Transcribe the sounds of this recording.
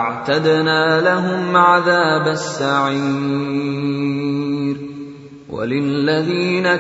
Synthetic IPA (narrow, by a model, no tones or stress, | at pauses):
ʕt̪ad̪naːlaɦʊmʕaðaːbasːaʕi | ɾ | wʔa̰lɪlːaðiːna